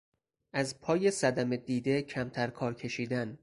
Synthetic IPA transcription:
ʔæzpʰɒːje̞sæd̪æme̞d̪iːd̪e̞cʰæmt̪ʰæɾkʰɒːɾcʰe̞ʃiːd̪æn

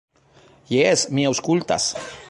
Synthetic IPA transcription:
jesmiawskult̪a̰s

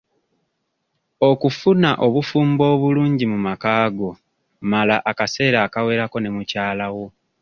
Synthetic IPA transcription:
o̞kufunaʔo̞βufuːmbo̞ːβuluːɲɟimumakaːɡo̞ | malaʔakase̞ːɾaːkawe̞ːɾako̞ne̞mucaːlawo̞

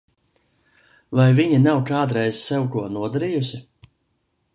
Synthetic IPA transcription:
vajviɲinawkaːd̪ɾɛjzsɛwkuɔnuɔd̪aɾiːjusi

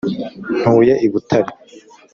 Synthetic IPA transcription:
n̥huːjeʔiβutʰaɾi

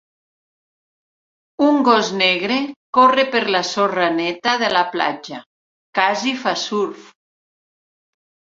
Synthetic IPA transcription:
uŋɡɔzneɣɾekorepeɾlasoranet̪aðelapla̰d͡ʒa | kazifasuɾf

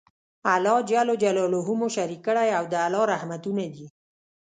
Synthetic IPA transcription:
alɑd͡ʒalod͡ʒalɔloɦumoʃaɾikəɽajawd̪əalɑɾahmat̪unad̪i

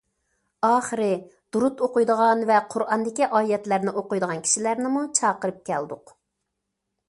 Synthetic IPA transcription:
ɑːχəɾɪ | d̪̥uɾut̪oqʊjd̪əʁɑnvɛqʰʊɾʔɑnd̪ɪkʲiʔɑːjɛt̪læɾnɪʔoqʊjd̪əʁɑnkʰʲi̥ʃilæɾnɪmut͡ʃʰɑːqəɾɨp̚kʲʰɛ̰ld̪ʊq

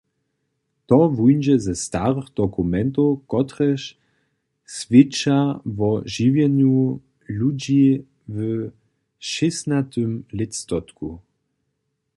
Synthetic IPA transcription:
t̪ɔvujnd͡ʒɛzɛst̪aʁəxd̪̥ɔkumɛnt̪̬owkɔt̪ʁɛʃ | svɪt͡ʃavɔʒivjɛnju | lud͡ʑi | və | ʃɪsnat̪ømlɪst̪ɔt̪ku

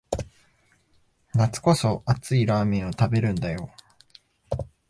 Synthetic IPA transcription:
nat͡sɨ̥ko̞so̞at͡sɨiɾaːmʲĩɰ̃o̞t̪abe̞ɾɯ̟̃nd̪ajo̞

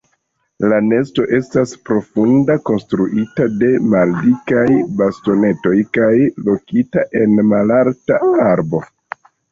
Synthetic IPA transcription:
lane̞sto̞ʔe̞staspɾo̞fundako̞nstɾuʔitade̞maldikajbasto̞ne̞to̞jkajlo̞kitaʔe̞nmalaɾtaaɾbo̞

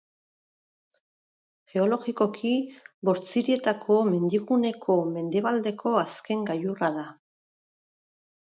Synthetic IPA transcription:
xe̞o̞lo̞ɣiko̞kʰiβo̞ɾt͡siɾie̞t̪akʰo̞me̞nd̪iɣune̞kʰo̞me̞nd̪e̞βald̪e̞kʰo̞aske̞ŋɡajuraða

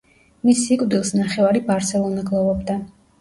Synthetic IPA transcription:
misːikʼwd̪ilˠsnaχɛvaɾibaɾsɛlˠɔnɛɡlˠɔvɔbd̪a

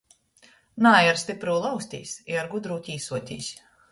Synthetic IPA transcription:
naːjaɾsʲt̪ʲipɾuːlˠawsʲt̪ʲḭːsʲiaɾɡud̪ɾuːt̪ʲiːsuɔt̪ʲḭːsʲ

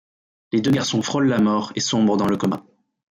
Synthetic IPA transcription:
led̪øɡaʁsɔ̃fχɔlːamɔːʁesɔ̃bʁəd̪ɑ̃ləkɔmã̰

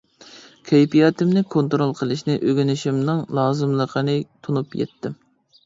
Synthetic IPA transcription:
kʲʰɛjpijɑːt̪ɪmnɪkʰont̪ɾolˠqʰəlˠɨʃnɪʔøɡʲynɪʃimnɪŋlˠɑːzɨmlˠəqʰənɪt̪ʰunupjɛ̰t̪ːɪm

